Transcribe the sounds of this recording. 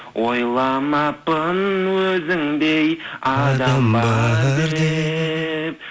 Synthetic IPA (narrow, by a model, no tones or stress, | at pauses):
wojlˠɑmɑpənwɵzɪŋd̪ejɑd̪ɑbɑee | p̚